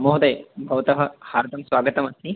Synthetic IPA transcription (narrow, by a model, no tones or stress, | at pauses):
moɦd̪ɐjbʱɐʋt̪ɐɦɐhaːɾd̪ʰʱɐmsʋaːɡɐt̪ɐmɐst̪i